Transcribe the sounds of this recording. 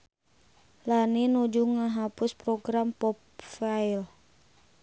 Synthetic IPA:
laninud͡ʒuŋaɦapʊspɾɔɡɾampɔpfail

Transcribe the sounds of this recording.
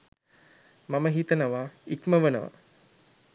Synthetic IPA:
maməɦit̪ənəʋaikməʋənəʋa̰

